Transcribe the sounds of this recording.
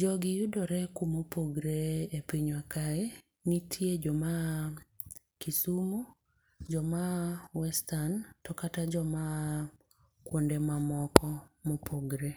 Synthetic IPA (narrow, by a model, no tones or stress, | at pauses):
d͡ʒɔɡɪjudɔɾɛkumopoɡɾeepiɲwakaɛ | nitʰjed͡ʒɔma | kisumo | d͡ʒɔmawɛstantɔkatad͡ʒɔma | kwondemamɔkɔmopʰoɡɾe